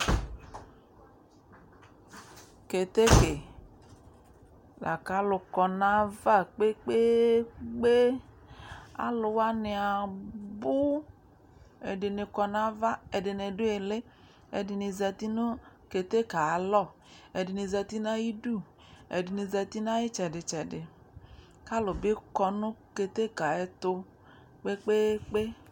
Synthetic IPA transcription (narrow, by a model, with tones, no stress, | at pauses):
ke˨t̪e˦ke˨ | lʔa̰˨ka˨˦lʊ˨kɔ˨na˨va˦˨k͡pe˦k͡pe˦ɡ͡be˦ | a̰˦lʊ˧wa˦nɪ˧a˨bʊ˦ | ḛ˨dɪ˨ne˧kɔ˧na˦va˦ɛ˨de˨ne˧du˦e˨le˦ | ɛ̰˨dɪ˨ni˧za˧t̪i˦nʊ˦ke˧t̪e˦ka˨a˨lɔ˦˨ | ɛ˨dɪ˨ni˧za˧t̪i˦na˦ji˦du˦˨ | ɛ̰˨dɪ˨ni˧za˧t̪i˦na˦ji˦t͡ʃɛ˨dɪ˨t͡ʃɛ˨dɪ˨ | ka˦lʊ˨bi˦kɔ˧nʊ˦ke˧t̪e˦ka˨ɛ˨t̪ʊ˧ | k͡pe˦k͡pe˦k͡pe˦